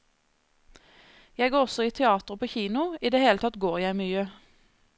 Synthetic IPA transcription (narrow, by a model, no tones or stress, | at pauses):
jæɪɡoːʁɔsɔiːt̪ʰɛɑːt̪ʁəpʰoːçiːnʊiːd̪eːheːlət̪ʰɑt̪ɡoːʁjæɪmyːə